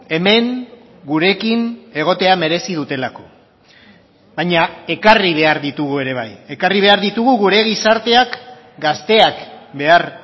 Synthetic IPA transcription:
e̞me̞ŋ | ɡuɾe̞kine̞ɣ̞o̞t̪e̞ame̞ɾe̞sið̞ut̪e̞lako̞̥ | βajɲae̞kariβ̞e̞aɾðit̪uɣue̞ɾe̞β̞a̰je̞kariβ̞e̞aɾðit̪uɣuɣuɾe̞ɣ̞isaɾt̪e̞ak | ɡast̪e̞akbe̞aɾ

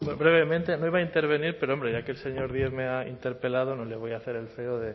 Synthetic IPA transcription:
bɾe̞β̞e̞mẽnt̪e̞noiβaint̪e̞ɾβe̞niɾpeɾoombɾe̞ʝakelse̞ɲo̞ɾðjeɣmeaḭnt̪e̞ɾpe̞lað̞o̞no̞le̞β̞o̞jaθe̞ɾe̞lfe̞oðe̞

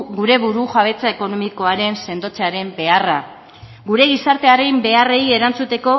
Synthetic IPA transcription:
ɣuɾe̞βuɾuʝaβ̞e̞t͡sae̞ko̞no̞miko̞aɾe̞nse̞nd̪o̞t͡seaɾe̞mbe̞ara | ɣuɾe̞ɣ̞isaɾt̪e̞aɾejmbe̞arejie̞ɾant͡sut̪e̞ko̞

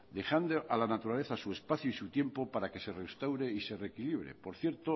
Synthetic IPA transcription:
d̪e̞xand̪oʔalanat̪uɾale̞θasue̞spaθjuisut̪je̞mpo̞paɾake̞se̞re̞st̪awɾe̞ise̞re̞kiliβ̞ɾḛpo̞ɾθje̞ɾt̪o

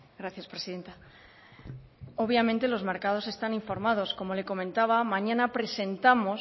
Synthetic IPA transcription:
ɡɾaθjaspɾe̞siðe̞nt̪a | o̞βjamẽnt̪e̞lo̞zme̞ɾkað̞o̞se̞st̪aniɱfo̞ɾmað̞o̞sko̞mo̞le̞ko̞mẽnt̪aβ̞amãɲãnapɾe̞se̞nt̪amo̞s

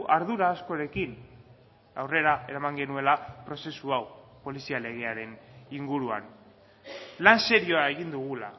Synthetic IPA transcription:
ʔaɾðuɾaːsko̞ɾe̞kin | awre̞ɾae̞ɾamaŋɡe̞nue̞lapɾo̞se̞suawpo̞lisiale̞ɣ̞e̞aɾe̞niŋɡuɾua̰n | lanse̞ɾio̞ae̞ɣind̪uɣ̞ula̰

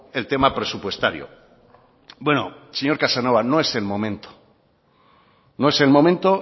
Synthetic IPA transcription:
e̞lt̪e̞mapɾe̞supwe̞st̪aɾjo̰ | bwe̞no̰seɲo̞ɾkasano̞βano̞e̞se̞lmõ̞mẽ̞nt̪o̥ | no̞e̞se̞lmõ̞mẽnt̪o̞

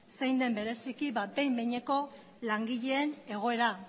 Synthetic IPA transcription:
sejnd̪e̞mbe̞ɾe̞sikiβabe̞jmbeɲe̞ko̞ | laŋɡiʎe̞ːne̞ɣ̞o̞e̞ɾa

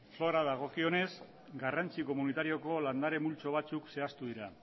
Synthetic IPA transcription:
flo̞ɾaðaɣ̞o̞kio̞ne̞z | ɡarant͡siko̞munit̪aɾio̞ko̞land̪aɾe̞mult͡so̞β̞at͡sukse̞ast̪uð̞iɾa

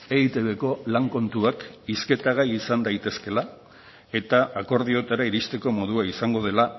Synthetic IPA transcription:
eit̪e̞βe̞ko̞laŋko̞nt̪uakiske̞t̪aɣ̞ajisand̪ajt̪e̞ske̞la | e̞t̪aʔːko̞ɾðio̞t̪aɾaiɾist̪e̞ko̞mo̞ð̞uaisaŋɡo̞ð̞e̞la

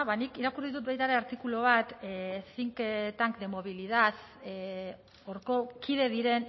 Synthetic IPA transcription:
βanikiɾakuɾiit̪̬ut̪̚bejt̪aɾe̞aɾt̪ikuloβ̞at̪siŋket̪aŋkd̪e̞mo̞βilið̞að | oɾko̞kʰið̞e̞ðiɾe̞n

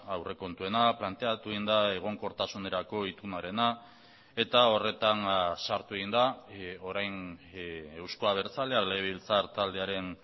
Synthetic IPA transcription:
awre̞ko̞nt̪ue̞naplant̪e̞at̪ueɣind̪ae̞ɣ̞o̞ŋko̞ɾt̪asune̞ɾako̞it̪unaɾe̞na | e̞t̪ao̞re̞t̪ansaɾt̪ue̞ɣind̪ao̞ɾajn | e̞wsko̞aβ̞e̞ɾt͡saleale̞βilt͡saɾt̪ald̪e̞aɾe̞n

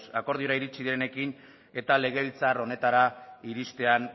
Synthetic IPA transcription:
sako̞ɾð̞io̞ɾaiɾit͡ʃiðiɾe̞ne̞kin | e̞t̪ale̞ɣ̞e̞βilt͡saro̞ne̞t̪aɾaiɾist̪e̞an

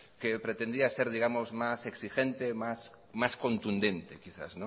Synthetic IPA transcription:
kepɾet̪ẽnd̪iaseɾðiɣamozmaseksiʃent̪emas | maskont̪und̪ent̪ekiθa̰snõ

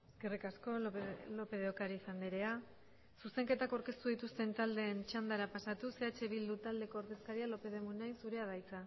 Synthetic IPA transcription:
eskerikasko̞lo̞pe̞ð̞eokaɾiːsand̪iɾe̞a | suse̞ŋket̪akawɾke̞st̪uð̞it̪ust̪e̞nt̪ald̪e̞ːnt͡ʃand̪aɾapasat̪use̞at͡ʃe̞βild̪ut̪ald̪e̞ko̞ːɾðe̞skaɾialo̞pe̞ðe̞munajnsuɾe̞að̞ajt͡sa

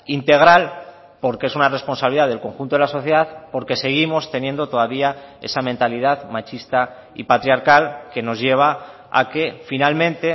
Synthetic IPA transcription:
int̪e̞ɣ̞ɾal | po̞ɾkee̞sunare̞spo̞nsaβiliðaðelko̞ŋxunt̪oelaso̞θje̞ðaðpo̞ɾke̞se̞ɣ̞imo̞st̪e̞nje̞nd̪o̞t̪o̞ð̞aβiae̞̰samẽnt̪alið̞aðmat͡ʃist̪a | ḭpat̪ɾjaɾkalke̞no̞zʝe̞β̞a | a̰ke̞finalmẽnt̪e̞

